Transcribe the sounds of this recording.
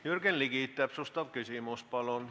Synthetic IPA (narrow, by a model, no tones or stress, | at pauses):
jyrkenlikiˑt̪ːæˑpsust̪ɑʋkysiˑmuspɑlon